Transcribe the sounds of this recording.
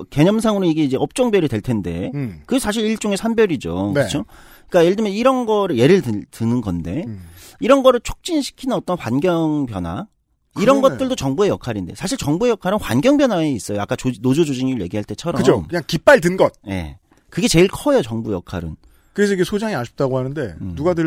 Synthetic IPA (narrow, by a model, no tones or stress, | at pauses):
ke̞ɲʌmsʰaŋɯɾoiɡeid͡ʑe̞ʌp̚t͡ɕ͈ʌŋbjʌɾidwe̞ɭtʰe̞nde̞kɯsʰaɕ̬ʰiɾiɭt͡ɕ͈uŋe̞sʰambjʌɾid͡ʑo̰knɯt͡ɕʰo | k͈ajeɭdɯmjʌniɾʌnɡʌɾɯɭje̞ɾɯɭdɯtɯnɯnɡʌnde̞ | iɾʌnɡʌɾɯɭt͡ɕʰo̥k̚t͡ɕ͈inɕʰi̥kʰinɯnʌt͈ʌnɸwanɡjʌŋpjʌnwa̰ | iɾʌnɡʌt̚t͈ɯɭdot͡ɕʌŋbuejʌkʰaɾinde̞̰sʰaɕʰiɭt͡ɕʌŋbue̞jʌkʰaɾɯnɸwanɡjʌŋbjʌnwaeis͈ʌjoak͈at͡ɕnod͡ʑod͡ʑod͡ʑiɲiɾɯɭje̞̰ɡiɦaɭt͈e̞t͡ɕʰʌɾʌɯd͡ʑʰomkɯɲaŋkip͈aɭdɯnɡʌt̚je̞̰ | kɯɡe̞t͡ɕe̞iɭkʰʌjot͡ɕʌŋbujʌ̰kʰa̰ɾɯ̰n | kɯɾes̬ʰʌiɡesʰod͡ʑaŋiaɕʰi̥p̚t͈aɡohanɯnde̞nuɡadɯ